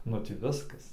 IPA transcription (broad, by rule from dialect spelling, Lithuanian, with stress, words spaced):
nʊ ˈtʲiː ˈʋʲɪskɐs